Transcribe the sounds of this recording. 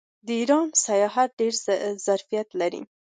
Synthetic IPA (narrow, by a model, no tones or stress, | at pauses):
d̪əiɾɑnsajɑɦat̪̚ɖeɾzaɾfijat̪laɾḭ